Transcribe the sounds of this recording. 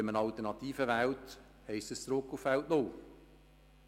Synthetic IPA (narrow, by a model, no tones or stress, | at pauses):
əmənɑlt̪ənɑt̪iːfəʋælt | hɛɪst̪əst͡sɾʊkːufvæltnoː